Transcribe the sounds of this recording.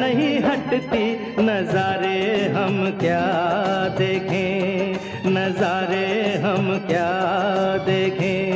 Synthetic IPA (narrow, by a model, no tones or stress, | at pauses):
nɐɦĩɦɐʈt̪i | nɐzaːɾeɦɐmkjaːd̪eːkʰẽː | nɐzaːɾeɦɐmkjaːd̪eːkʰẽː